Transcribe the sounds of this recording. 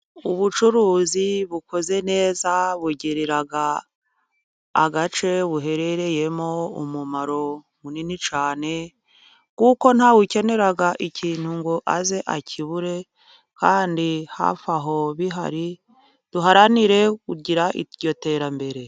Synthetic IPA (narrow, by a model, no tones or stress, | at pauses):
uβut͡ʃuɾuːziβukʰo̞ze̞ne̞ːzaβweɟeɾeɾaɡa | ɡat͡ʃe̞βuɦe̞ɾe̞ɾe̞je̞mo̞ṵmumaɾo̞ | muninit͡ʃaːne̞ | kuko̞n̥hawuce̞ne̞ɾaɡaʔiciːn̥huŋɡoʔaze̞ʔacʰiβuɾe̞ | kaːndiha̰faɦo̞βiɦa̰ɾi | d̥uɦaɾaniɾe̞kuɟiɾaʔḭɟo̞te̞ːɾambe̞ɾe̞